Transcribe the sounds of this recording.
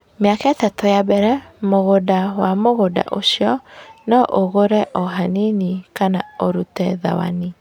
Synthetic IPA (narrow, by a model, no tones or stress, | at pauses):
meakaɛtatojabɛɾɛmoɣodawamoɣoda̰ʔoʃjɔnɔʔoɣoɾɛʔɔɦaninikanaoɾutɛða̰wa̰ni